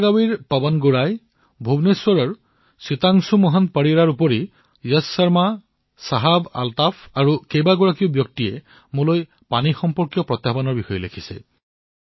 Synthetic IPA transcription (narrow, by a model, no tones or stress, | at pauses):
ɡawiɹpabanɡuɹaj | bʱubneswɔɹɔɹ | sit̪aŋsumɔɦanpaɹiɹaɹupɔɹi | jɔssaɹma | saɦaba̰lt̪afʰaɹukejbaɡɔɹakiʊbjɔk̚tiɛ | mũloj | panixɔmpɔɹkjɔpɹɔt̪jabanɔɹbixɔjɔlekʰisɛ̰